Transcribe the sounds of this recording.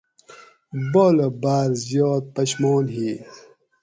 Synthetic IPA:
boləbaːɾzjoːt̪̚pɐɕmoːnɦi

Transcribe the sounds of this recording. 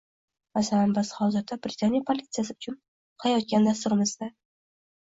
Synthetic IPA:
masalanbɪzhɒwzɨt̪ʰabɾʲɪt̪ʰanjapʰolʲit̪sɨjasɪʊt͡ʃʰʊn | qʰɑjɒt̪̚kʲand̪as̬t̪ʊɾɪmɪzd̪a

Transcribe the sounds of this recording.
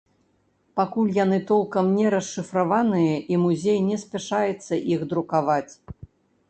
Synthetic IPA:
pakulʲjan̪ɨt̪ɔlˠkɐmnʲɛɾɐsːɨfɾavanɨjɐʔimuzʲejnʲɛsʲpʲaʂajɛt̪sːɐʔixd̪ɾukavat͡sʲ

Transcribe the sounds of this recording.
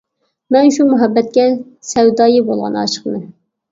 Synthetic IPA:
mɛnʃumuɦɛbːɛt̪̚kʲɛ | sɛwd̪ɑːjɨbolˠʁɑ̰nɑ̰ʃə̥qnɨ

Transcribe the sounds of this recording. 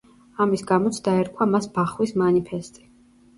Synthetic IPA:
amisɡamɔt̪sʰd̪aɛɾkʼwamasbaχwismanipʰɛst̪ʼi̥

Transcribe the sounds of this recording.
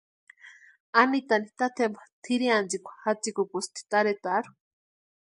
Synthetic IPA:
anit̪anit̪at̪ʰembḁt̪ʰiɾiand͡zikʷḁxat͡sikukust̪ʰi̥t̪aɾet̪aɾu̥

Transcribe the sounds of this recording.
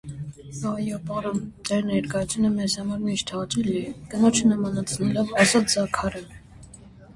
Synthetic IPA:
ɑjɔpɑɾɔmt̪ɛɾnɛɾkɑjut͡sʰjunəmɛzhɑmɑɾmiʃt̪ʰɑɑt͡ʃɛlɛkənɔt͡ʃʰnəmɑnɑt͡sʰnɛlɔvɑsɑt͡szɑkʰɑɾɛ

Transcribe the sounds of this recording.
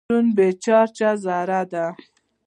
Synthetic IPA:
unbet͡ʃɑɾt͡ʃazaɾad̪a

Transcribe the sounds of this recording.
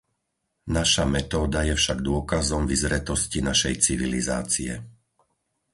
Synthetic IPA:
naʃamɛt̪ɔːd̪ajɛfʃaɡd̪ʊɔkazɔmvizɾɛt̪ɔscinaʃɛjt͡siʋiliza̰ːt͡siɛ̰

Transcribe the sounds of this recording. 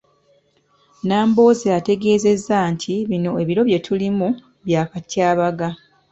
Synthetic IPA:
naːmbo̞ːziate̞ɡe̞ːze̞zːantʰiβino̞e̞βiɾo̞βje̞tʰulimu | βjaːkatʰjaːβaɡa

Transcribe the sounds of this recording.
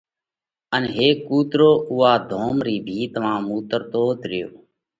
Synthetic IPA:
ənɦeːkːuːt̪ɾoːʔuːaːd̪ʱoːmɾiːbʱiːt̪ʋãːmuːt̪əɾt̪oːt̪ɾɪjoː

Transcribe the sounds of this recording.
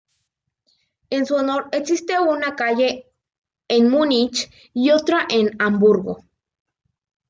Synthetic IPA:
ensuonoɾeksist̪eunakaʎe | enmunit͡ʃ | iot̪ɾaʔenambuɾɣo̰

